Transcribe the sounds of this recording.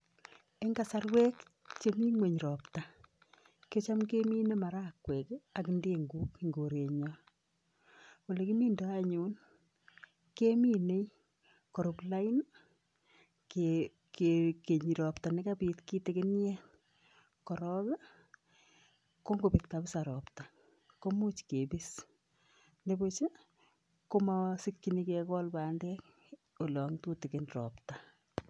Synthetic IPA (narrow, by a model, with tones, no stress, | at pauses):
e˦ŋɡa˨sa˦ɾwe˦k | t͡ʃe˦mi˦ŋwe˨ɲi˨ɾɔ˨pta˨ | ke˦t͡ʃa˦mke˦mi˦ne˦ma˨ɾa˦kwe˨ka˨knde˦ŋɡuː˦kŋɡo˨ɾe˨ɲɔ˦ | wo˨le˨ki˦mi˦ndo˦aɲu˦n | ke˦mi˦ne˦ | kɔ˨ɾopla˦in | ke | keke˨ɲiɾɔ˨pta˨nɪkapiːtki˦tɪkɪnjɛ | kɔɾɔka˦ | ko˦ŋɡo˨pɪk̚tabɪsaɾɔpta˨ | komu˦t͡ʃkebis | nebot͡ʃe˦ | komasɪkːinikɛkɔlpaːndɛk̚ | o˨lɔ˨ŋtutɪkɪnrɔ̰pta